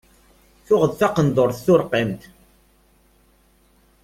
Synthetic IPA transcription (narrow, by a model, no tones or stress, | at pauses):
θʊʁəðθaqənd̪ˤoɾθθʊɾqimt̪